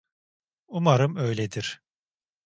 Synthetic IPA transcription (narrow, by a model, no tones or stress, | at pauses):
umaɾɯmøjlʲed̪iɾ̥